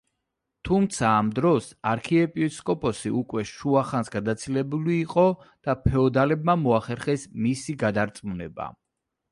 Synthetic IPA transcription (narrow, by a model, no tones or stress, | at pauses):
t̪ʰumt̪sʰaːmd̪ɾɔsaɾkʰiɛpʼiskʼɔpʼɔsiʔukʼwɛʃuaχansɡad̪at̪sʰilɛbuliːqʼɔ | d̪̥apʰɛɔd̪alɛbmamɔaχɛɾχɛsmisiɡad̪aɾt̪sʼmunɛba̰